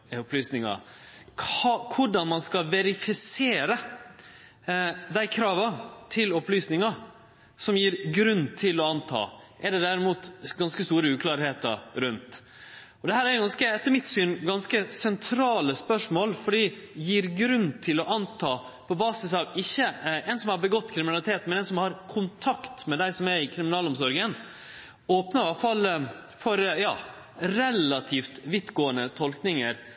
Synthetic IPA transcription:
ʊplyːsnɪŋɑ̰kʰɑkʰʊɖɑnmɑnskɑlʋɛɾɪfɪseːɾə | d̪æɪkʰɾɑːʋɑt̪ʰɪlɔplyːsnɪŋɑ | sɔmjiːɾɡɾʉnːt̪ʰɪlɔɑnt̪ʰɑ̰ːʔɛɖɛd̪æɾɪmuːt̪ɡɑnskəst̪uːɾəʉːkʰlɑːɾheːt̪ɑ̰ɾʉnt̪ | ɔd̪ɛhæːɾæɾjʊɡɑnskəɛt̪ːəɾmɪt̪syːnɡɑnskəsɛnt̪ʰɾɑːləspœʂmoːlfɔɖiːjiːɾɡɾʉnːt̪ʰɪlɔʔɑnt̪ʰɑː | pʰɔbɑːsɪsɑʋɪçːəɛnsɔmhɑɾbəɡɔt̪ːkʰɾɪmɪnɑlɪt̪ʰeːt̪mɛnɛːnsɔmhɑɾkʰʊnt̪ʰɑkt̪mɛd̪æɪsɔmæɾɪkʰɾɪmɪnɑːlɔmsɔɾɡən | oːpnəɾɑfɑl | fɔɾjɑː | ɾɛlːɑt̪ʰiːft̪ʋɪt̪ɡoːənət̪ʰɔlknɪŋəɾ

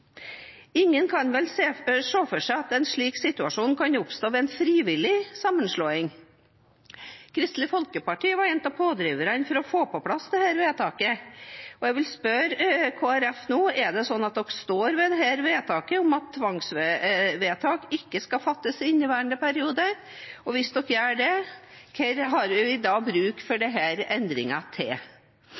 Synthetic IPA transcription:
ɪŋːənkʰɑnʋɛleːʂoːfɔʂæɪɑt̪ɛnʂɭiːksɪt̪ʉɑʂuːnkʰɑnʊpst̪oːʋɛːɛnfɾiːʋɪlɪsɑmːənʂɭoːɪŋ | kʰɾɪst̪lɪfɔlkəpɑʈiːəʋɑɾjɛnt̪ɑpʰoːd̪ɾiːʋəɾɑnfɔɾɔfoːpɔpʰlɑsd̪ɛhæːɾʋeːt̪ʰɑːkəɔɛʋɪlspœɾkʰoːæɾɛfnoːɛɖɛsɔnːɑt̪̚d̪ɔkst̪oːɾʋɛd̪ɛɦæːɾʋeːt̪ʰɑːkəʊmɑt̪ʰːʋɑŋsʋɛʋeːt̪ʰɑːkɪkːəskɑfɑt̪ːəsɪnːɪʋæːəɳd̪əpæɾɪuːd̪ə | ɔʋɪsd̪ɔkːjææɖɛkʰɛɾɦɑɾʋɪɪd̪ɑːbɾʉːkfɔɖɛɦæːɾɛnd̪ɾɪ̰ŋɑt̪ʰɪl

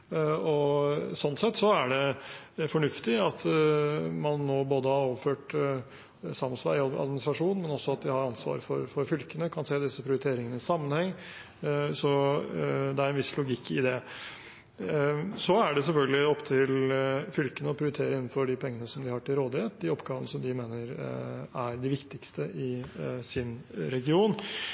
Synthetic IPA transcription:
ɔsɔnt̪sɛt̪ːsɔæɖɛfɔɳʉft̪ɪɑt̪ | mɑnːoːboːd̪əhɑɾɔʋəføːʈ | sɑmːənsʋæ̰ɑ̰d̪mɪnɪst̪ɾɑʂuːnmɛnɔsːɔɑt̪̚d̪ɪhɑɾɑnsʋɑ̰ːɾfɔ̰ːɾfɔɾfʏlkənəkʰɑnseːd̪ɪsəpʰɾɪʊɾɪt̪ʰeːɾɪŋənəɪsɑmːənhɛŋː | sɔ | d̪ɛæɾɛnʋɪslʊɡɪkʰːɪd̪ɛ | sɔæɖɛsɛlfœlɡəlɪɔpːt̪ʰɪlfʏlkənəɔpʰɾɪʊɾɪt̪ʰeːɾəɪnːnfɔɖɪpʰɛŋːənəsɔmd̪ɪhɑʈɪlɾoːd̪ɪhet̪̚d̪ɪɔpɡɑːʋənəsɔmd̪ɪmeːnəɾæɾɖ̪ɪʋɪkt̪ɪkst̪əʔɪsɪnɾɛɡɪuːn

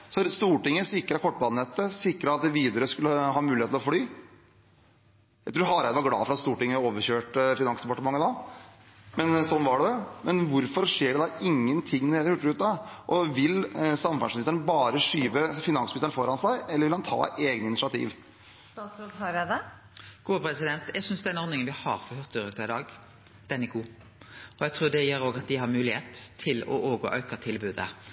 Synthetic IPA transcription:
sɔst̪uːʈɪŋːəsɪkːɾɑkʰɔʈːbɑːd̪ɛt̪ːəsɪkːɾəɑt̪̚d̪ɛʋiːd̪əɾəskʉlːəhɑːmʉːlɪhet̪lɔflyː | jæɪt̪ʰɾuːɾɦɑɾæd̪əʋɑɾɡlɑ̰ːfɔɾɑt̪st̪uːʈɪŋːəoːʋəɾɕøːʈfɪnɑŋsd̪ɛpɑʈəmɑŋːəd̪ɑ | mɛnsɔnːʋɑɖɛd̪ɛmɛnʋʊɾfɔɾʂeːɖɛd̪ɑɪŋːənt̪ʰɪŋːned̪əɾhʉʈːəɾʉːt̪d̪ɑʔɔʋɪlsɑmfɑnsnɪst̪əɳbɑːɾəʂyːʋəfɪnɑnsmɪst̪əɳfɔɾɑnsæɪɛlːɾʋɪlhɑnt̪ʰɑ̰ːeːɡnəɪnɪʃɪɑt̪ʰḭːʋ | ɑsɔd̪hɑɾɛd̪ɛ | ɡ̥uːəpʰɾɛsɪd̪ɛnt̪jæɡsʏnsd̪ɛnɔɾnɪŋənʋɪhɑ̰ɾfɔhœʁt̪ːʉɾʉːt̪ːɑɪd̪ɑːɡ | d̪̥ɛnæɾɡuː | ɔæɡt̪ʰɾʉːɖɛjeːɾoːɡɑt̪̚d̪ɪhɑɾmʉːlɪheːt̪ʰːɪlɔ̰ʔoːɡɔ̰ʔœʉkət̪ʰɪlbʉːd̪ə̰

